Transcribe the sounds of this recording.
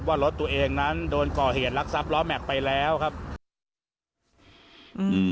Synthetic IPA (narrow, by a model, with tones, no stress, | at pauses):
waː˥˩lo˦˥t̪ːu˧ɐʔeː˧ŋna˦˥ndoː˧nkɔː˨˩heː˨˩t̪̚la˦˥k̚sa˦˥p̚lɔː˦˥mɛ˨˩k̚pa˧jlɛː˦˥wkʰa˦˥p̚ | ʔɯː˨˩